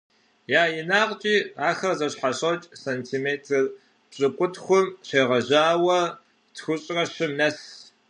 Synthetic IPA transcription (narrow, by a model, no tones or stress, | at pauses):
jaːjɪnaːqʼt͡ʃʼiːaːxɐrzɐɕħaɕʼɐt͡ʃʼsentʰiːmeːtʰɐr | b̥ɕʼɨqʷʼʊtxʷʊmɕeːʁɐʑaːwɐ | tʰxʷʊɕʼrɐɕɪmnɐs